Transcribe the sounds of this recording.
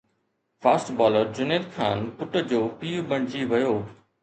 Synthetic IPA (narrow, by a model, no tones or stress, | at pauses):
faːsʈbɔːləɾd͡ʑʊneɾkʰa̰ːnpʊʈəd͡ʑoːpiːubɐɽ̤̃ɪd͡ʑiʋɐjoː